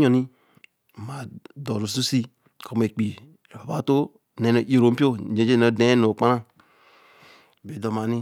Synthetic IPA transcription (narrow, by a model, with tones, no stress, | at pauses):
ɲo˨ni˦˨ | ma˨do˨ɾo˨su˦si˦ | kʰo˦m˦e˨k͡pi˨ | ba˨ba˦to˦ | nɛ˨no˨je˨ɾo˨˦m̩˦pi˦o˦˨d͡ʒẽ˨˦d͡ʒe˦no˨de˨˦no˨k͡pa˦ɾa˦˨ | be˨˦do˨ma˨ni˦